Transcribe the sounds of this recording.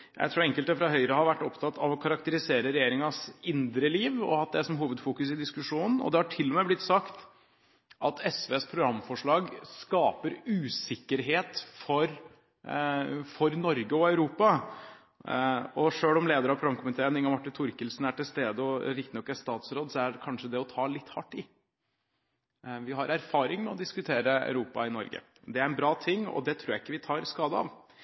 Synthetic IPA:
jʔæ̰ɪt̪ʰɾuːɾɛŋkəlt̪d̪ɛfɾɑɦœʏɾəhɑɾʋæʈːɔpt̪ʰɑt̪ʰːɑʋɔkʰɑɾɑkt̪əɾɪseːɾəɾɛjeːɾɪŋɑsɪnd̪ɾəliːʋɔ̰ɑt̪̚d̪ɛsɔmɦuːʋəd̪fuːkʉsɪd̪ɪskʉʂuːnn̩ɔ̰d̪ɛhɑʈʰɪlːɔmeːblɪt̪sɑkt̪ | ʔɑt̪ʰɛsʋeːspʰɾʊɡɾɑmːfɔʂɭɑːɡskɑːpəɾʉːsɪkːəɾɦeːt̪fɔɾ | fɔɾnɔɾɡəɔœʉɾuːpɑ | ɔʂøːlɔmleːd̪əɾəhɑpʰɾʊɡɾɑmkʰʊmɪt̪ʰeːnɪŋɑmɑʈːɪnt̪ʰʊɾkəlsnæʈɪlst̪eːd̪əɔɾɪkt̪ɪnɔkːæst̪ɑːt̪sɾoːd̪sɔækʰɑnʂəd̪ɛɔt̪ʰɑːlɪt̪ːhɑʈːɪ | ʋɪɦɑɾæɾfɑːɾɪŋmɛɔd̪ɪskʉt̪ʰeːɾəæ̰ʉɾuːpɑ̰ɪnɔ̰ɾɡə̰ | d̪ɛæɾɛnbɾɑːt̪ʰɪŋːɔ̰d̪ɛt̪ʰɾuːɾjæɪkːəʋɪt̪ʰɑːɾskɑːd̪əɑ̰ʋ

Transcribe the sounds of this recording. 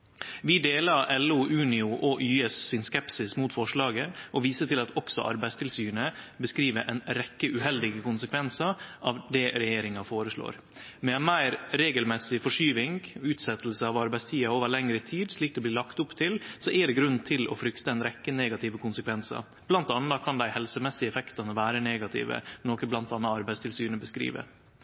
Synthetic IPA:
ʋɪd̪eːlɑɾʔɛluʔʉːnɪʊʔɔʔyːɛssɪnskɛpsɪsmuːt̪fɔʂɭɑːɡəʔɔʋiːsəʈɪlɑt̪ɔksɔ̰ʔɑ̰ɾbæɪst̪ɪlsyːɳə | bəskɾiːʋəʔɛ̰nɾɛkːəʔʉɦɛld̪ɪɡəkʊnsəkʰʋɛnsɑʔɑʋd̪ɛɾɛjeːɾɪŋɑfoːɾəʂɭo̰ːɾ | mɛɛnmæɪɾɾeːɡəlmɛsɪfɔʂyːʋɪŋɡɔʉːt̪sɛt̪əlsəɑʋɑɾbæɪst̪ʰiːɑoːʋəɭɛŋɾət̪ʰiːd̪ʂɭiːk̚d̪ɛbliːlɑkt̪ʊpːt̪ʰɪlsɔʔɛɖ̪ɛɡɾʉn̩t̪ʰɪlɔ̰fɾʏkt̪əɛnɾɛkːəneːɡɑt̪ʰɪʋəkʰʊnsəkʰʋɛnsɑ̰ | b̥lɑnt̪ɑnːɑkʰɑnd̪æɪhɛlsəmɛsːɪəɛfɛkt̪ɑnəʋæːɾəneːɡɑt̪ʰɪ̰ːʋə̰noːkəblɑnt̪ɑnːɑɑɾbæɪst̪ʰɪlsyːɳəbəskɾḭːʋə̰

